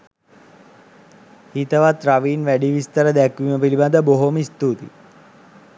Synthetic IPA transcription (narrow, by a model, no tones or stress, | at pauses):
hit̪əʋat̪ɾaʋiːnʋæɖiʋist̪əɾəd̪ɛkʋiməpilibad̪əboɦomist̪ut̪ḭ